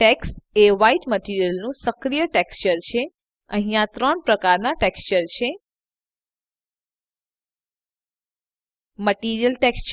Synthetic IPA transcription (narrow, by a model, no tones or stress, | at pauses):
ʈeksʈeʋaiʈməʈiɾijəlnũsəkɾijəʈekst͡ʃəɾt͡ʃʰe | ə̃ɦĩjãt̪ɾəɳpɾəkaɾnaʈekst͡ʃəɾt͡ʃʰe | məʈiɾijəlʈekst͡ʃ